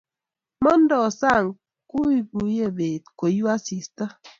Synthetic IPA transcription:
mɔ˦n̩˦dɔ˨sa˦˨ŋ | ku˦i˦ku˨˦je˦˨be˨t̚ko˨ju˦a˦si˨stə˦

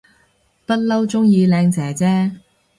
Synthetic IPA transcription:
pɐ˥t̚lɐ˥wt͡sʊ˥ŋjiː˧lɛː˧ŋt͡sɛː˨˩t͡sɛː˥

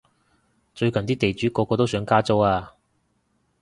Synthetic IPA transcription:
t͡ʃɵ˧ɥkɐ˨nt̪iː˥t̪e˨jt͡ʃyː˨˥kɔː˧kːɔː˧t̪o˥wsœː˨˥ŋkaː˥t͡so˥waː˧

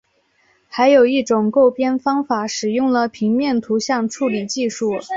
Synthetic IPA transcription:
xa˧˥ɪjo˨˩ʊi˥˩ʈ͡ʂʊ˨˩ŋko˥˩ʊpjɛ˥nfɑ˥ŋfa˧˥˦ʂɻ̩˨˩jʊ˥˩ŋlə˩pʰi˧˥ŋmjɛ˥˩nt̪ʰu˧˥ɕjɑ˥˧ŋʈ͡ʂʰu˥˩li˨˩t͡ɕi˥˧ʂu˥˩

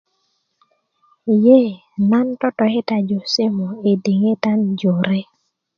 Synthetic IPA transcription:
je˦˨ | na˦ntɔ˦tɔ˨e˦ta˨d͡ʒo˨sɪ˦mɔ˨e˨de˨ŋe˦ta˦nd͡ʒo˨ɾe˦

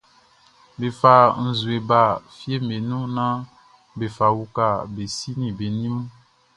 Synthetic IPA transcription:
be˨fa˨n̩˨zu˨e˨ba˨fi˦e˦me˨nũ˦nã˦ | be˨fa˨wu˦ka˦˨be˨si˦nĩ˨be˨n˦ũ˦

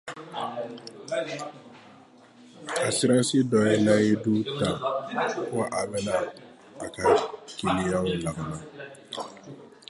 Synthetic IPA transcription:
a˨si˦ɾa˦si˦dɔ˨je˦la˦je˦du˦ta˨fo˦ʔa˨bɛ˦na˦ | a˨ka˨ki˨li˦ja˦u˨la˨ɡa˨na˨

